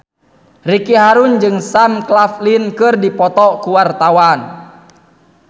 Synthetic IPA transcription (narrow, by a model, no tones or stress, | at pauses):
rikiɦaɾund͡ʒɨŋsamklaflinkɨrdipɔt̪ɔkuwart̪awan